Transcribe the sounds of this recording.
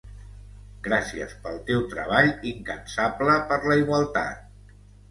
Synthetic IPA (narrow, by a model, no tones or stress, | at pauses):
ɡɾasiə̰spəlˠt̪ewt̪ɾəβ̞aʎiŋkənsabləpəɾləiɣwəlˠt̪a̰t̪̚